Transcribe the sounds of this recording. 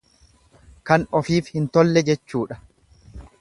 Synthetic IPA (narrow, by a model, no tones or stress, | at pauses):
kɐnɔfiːfhɪnt̪ɔlːɛd͡ʒɛt͡ʃːuːᶑɐ̥